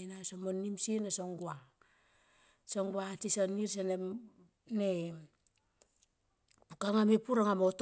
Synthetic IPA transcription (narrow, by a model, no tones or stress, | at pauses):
nasomonːimsienasoŋɡua | soŋɡuatisoniɾs̬ene | ne | pukaŋamepuɾaŋamot